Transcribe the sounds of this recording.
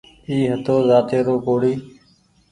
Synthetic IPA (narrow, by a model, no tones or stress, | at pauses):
iːɦət̪oːzaːt̪eːɾoːkoːɽiː